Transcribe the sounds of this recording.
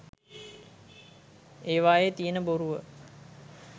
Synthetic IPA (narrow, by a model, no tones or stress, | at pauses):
eːʋaːjet̪ijənəboɾuʋə